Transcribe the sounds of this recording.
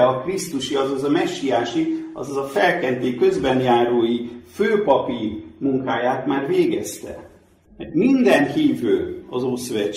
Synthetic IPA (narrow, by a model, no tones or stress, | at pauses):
ɒkrist̪uʃiɒzɒzɒmɛʃːijaːʃiɒ̰zɒzɒfɛlkɛnt̪eːkø̞zbɛnjaːɾoːjiføːpɒpirmuŋkaːjaːt̪maːrveːɡɛ̰st̪ɛ̰ | mɛmind̪ɛnhiːvøːɒzoːsøvɛ